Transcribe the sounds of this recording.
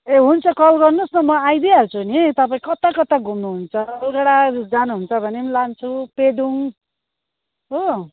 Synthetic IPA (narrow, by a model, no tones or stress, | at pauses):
eɦunt͡sʰʌkʌlɡʌrnosnʌmʌajd̪ialt͡sʰunit̪ʌpaĩkʌt̪akʌt̪aɡʱumnuɦunt͡sʰʌʌlɡʌɽad͡zanuɦunt͡sʰʌbʱʌnemlant͡sʰuped̪uŋ | ɦo